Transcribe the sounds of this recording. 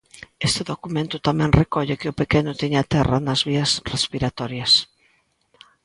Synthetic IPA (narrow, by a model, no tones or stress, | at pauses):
est̪ɪðokumẽnt̪ʊt̪amɛ̃nrekɔʎekɪʊpekenʊt̪eɲat̪ɛranɐzβiɐsrespiɾat̪ɔɾjɐs